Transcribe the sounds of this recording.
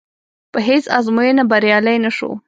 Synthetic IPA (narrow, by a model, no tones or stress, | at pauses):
pəɦesazmujenabaɾjɑləjnaʃo̰